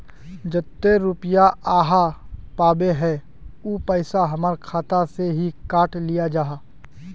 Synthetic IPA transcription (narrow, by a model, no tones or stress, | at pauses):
d͡ʒət̪ːeɾʊpjaʔaːɦapaːbeɦɛ | uːpəɪsaɦɐmaɾkʰaːt̪aseɦikaːʈʰlijad͡ʒaːɦaː